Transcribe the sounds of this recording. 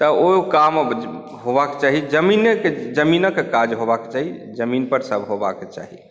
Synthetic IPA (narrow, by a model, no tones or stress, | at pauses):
t̪əokam | ɦobaket͡ʃaɦid͡ʒəminked͡ʒəminəkekad͡ʒɦobake̥t͡ʃaɦid͡ʒəminpəɾsəbʱɦoba̰ket͡ʃa̰ɦḭ